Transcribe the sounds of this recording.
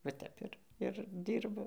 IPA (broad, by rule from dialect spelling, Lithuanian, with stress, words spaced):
ʋɐ ˈtʲɛp ɪr ɪr ˈdʲiːrbʊ